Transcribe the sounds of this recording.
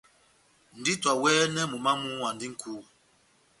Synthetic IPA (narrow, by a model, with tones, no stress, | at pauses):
n̩˨di˦twa˨wɛː˦nɛ˦mu˨ma˦mũ˦wa˨ndi˦ŋ̩˦kʰu˦